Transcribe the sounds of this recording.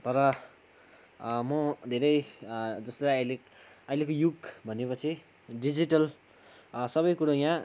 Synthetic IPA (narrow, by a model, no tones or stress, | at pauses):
t̪ʌɾʌ | mʌd̪ʱeɾʌjd͡zʌslaʌjle | ʌjlekojuɡbʱʌnepʌt͡sʰi | ɖid͡ziʈʌl | sʌβʌjkuɽajã